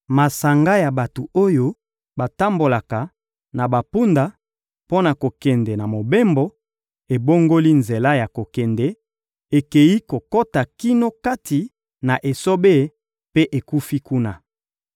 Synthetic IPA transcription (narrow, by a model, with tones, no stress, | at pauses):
ma˨sa˨ŋɡa˦ja˨ba˨to˨o˦jo˦ | ba˨ta˦mbo˨la˨ka˨ | na˨ba˨pu˦nda˨ | po˦na˨ko˨kɛ˨ndɛ˨na˨mo˨be˦mbo˦ | e˨bo˦ŋɡo˦li˦nze˨la˦ja˨ko˨kɛ˨ndɛ˨ | e˨ke˨ji˦ko˨ko˦ta˨ki˦no˦ka˦ti˨ | na˨ʔe˨so˦be˦˨˦ | pe˦ʔe˨ku˦fi˦ku˦na˦